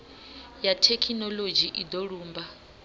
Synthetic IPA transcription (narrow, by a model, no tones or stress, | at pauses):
jatʰekʰinɔlod͡ʒiʔid̪ɔɺuːmba